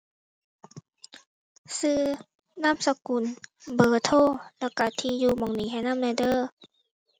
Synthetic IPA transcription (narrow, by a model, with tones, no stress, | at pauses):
sɯː˧˩ | naː˧˥˨msa˧ku˨˩˨nbɤː˨˩t̪ʰoː˧˥˩lɛ˧˩ka˧˩t̪ʰiː˧juː˧mɔ˨˦ŋniː˨˦ɦa˧˩˨naː˥˨mlɛ˧˩dɤː˧˩˨